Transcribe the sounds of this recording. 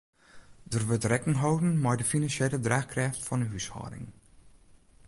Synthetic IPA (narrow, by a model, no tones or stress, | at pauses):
dərʋətrɛkɪŋɦowdən̩majdəfinansjelədraːxkrɛːftfɔnəɦyshɔ̰ːɾɪ̰ŋ